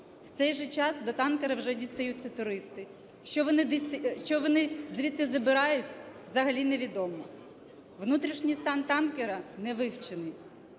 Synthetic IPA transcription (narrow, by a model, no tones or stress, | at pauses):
w̥t̪sɛjʒɛt͡ʃɑsd̪ɔt̪ɑnkeɾɐwʒɛdʲist̪ɐjut̪ʲːɐt̪ʊɾɪst̪ɪ | ʃt͡ʃɔʋɔnɪd̪st̪ʃt͡ʃɔʋɔnɪzʲʋʲit̪ːɪzɐbɪɾɑjʊtʲʋzɐɦɐlʲineʋʲid̪ɔmɔ | ʋnut̪ɾʲiʃnʲijst̪ɑnt̪ɑnkeɾɐnɛʋɪwt͡ʃenɪj